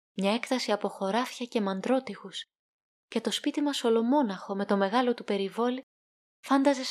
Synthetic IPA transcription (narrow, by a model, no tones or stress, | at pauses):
mɲɐe̞kt̪ɐsiɐpo̞xo̞ɾɐfçɐce̞mɐnd̪ɾo̞t̪ixus | ce̞t̪o̞spit̪imɐso̞lo̞mo̞nɐxo̞me̞t̪o̞me̞ɣɐlo̞t̪upe̞ɾivo̞li | fɐnd̪ɐze̞s